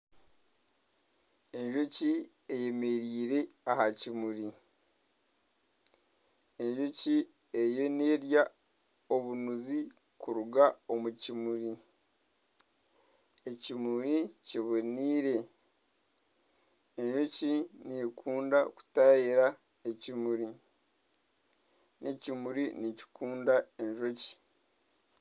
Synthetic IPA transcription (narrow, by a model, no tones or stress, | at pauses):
e̞ɲʒo̞ci | eje̞me̞ɾiːɾe̞ahacimuɾi | eɲʒoci | ejo̞neːɾja | o̞βunuzi | kuɾuɡao̞mucimuɾi | ecimuɾiciβoniːɾe̞ | e̞ɲʒo̞cinikʰuːndaku̥tajiɾa | ecimuɾi | nicimuɾinici̥kʰuːndae̞ɲʒo̞ci̥